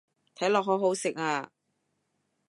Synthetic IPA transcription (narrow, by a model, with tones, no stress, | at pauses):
t̪ʰɐ˨˥jlɔː˨k̚ɦɔː˨˥ɦo˨˥wsɪ˨k̚aː˧